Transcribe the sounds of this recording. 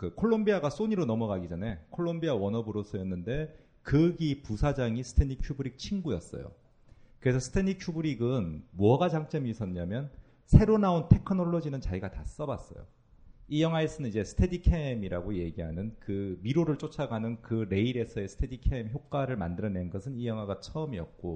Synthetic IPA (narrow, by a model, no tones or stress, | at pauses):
kɯkʰoɭːombiaɡas͈oɲiɾonʌmʌɡaɡid͡ʑanekʰoɭːombiawʌnʌbɯɾosʰʌjʌnːɯnde̞ | kɯɡipusʰad͡ʑaŋisʰɯ̥tʰenikʰjubɯɾik̚t͡ɕʰiŋɡujʌ̰s͈ʌ̰jo̰ | kɯɾe̞sʰʌsʰɯ̥tʰenikʰjubɯɾiɡɯnmwʌɡad͡ʑaŋt͡ɕ͈ʌmiːsʰʌɲːamjʌn | sʰe̞ɾonaontʰe̞kʰɯnʌɭːʌd͡ʑinɯnt͡ɕaiɡatas͈ʌbas͈ʌ̰jo̰ | ijʌŋɦwaesʰʌnɯnid͡ʑe̞sʰɯ̥tʰe̞dikʰemiɾaɡoje̞ɡiɦanɯnkɯmiɾoɾɯɭt͡ɕ͈ot͡ɕʰaɡanɯnkɯɾe̞iɾe̞sʰʌe̞sʰɯ̥tʰedikʰemçjok̚k͈aɾɯɭmandɯɾʌne̞nɡʌsʰɯnijʌŋwaɡat͡ɕʰʌɯmiʌ̰p̚k͈o